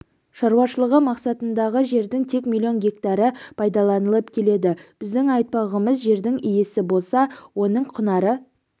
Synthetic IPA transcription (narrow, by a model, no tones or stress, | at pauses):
ʃɑɾuwɑʃəlˠəʁəmɑqsɑt̪ənd̪ɑʁəʒe̞ɾd̪ɪŋt̪ʰe̞kmʲilʲˠio̞nɡʲe̞kt̪ɑɾəpʰɑjd̪ɑlˠɑnəlˠəpkʲʰe̞le̞d̪ɪb̥ɪzd̪ɪŋɑjt̪̚pɑʁəməzʒe̞ɾd̪ɪŋijesɪbo̞lˠsɑwo̞nəɴqʰʊnɑɾə